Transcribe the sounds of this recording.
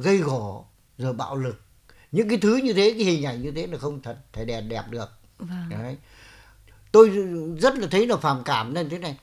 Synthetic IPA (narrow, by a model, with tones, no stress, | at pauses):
ɣə˧jɣɔ˧˩ | zəː˨˩jɓa̰ː˧˨wlɨ˨˩k̚ | ɲɨ̰˧˥ŋkaː˨˦jt̪ʰɨ˨˦ɲɨ˧t̪ʰe˨˦kaː˨˦jhï˨˩ŋ̟ʔa˨˧˩jŋɲɨ˧t̪ʰe˨˦naː˨˩xə˧wŋ͡mt̪ʰə˨˩t̚t̪ʰə˧˩ɗɛ˨˩p̚ɗɛ˨˩p̚ɗɨ˨˩ək̚ | vj | t̪o˧jzə˦˥t̚laː˨˩t̪ʰə˨˦jnaː˨˩faː˧˩mkaː˧˩mna˧˨˧t̪ʰe˨˦na˨˩j